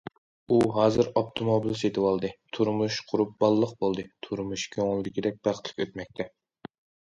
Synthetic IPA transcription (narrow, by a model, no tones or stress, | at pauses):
uɦɑːzɨɾopt̪ʰomobilˠset̪ʰɨwɑlˠd̪ɨt̪ʰuɾmuʃqʰʊɾup̚bɑlˠːəq̚bolˠd̪ɨt̪ʰuɾmuʃkʲʰoŋlˠd̪ɪkʲid̪ɛk̚ʲb̥æχt̪ʰlɪ̥kʲøt̪mɛk̚ʲt̪ʰɛ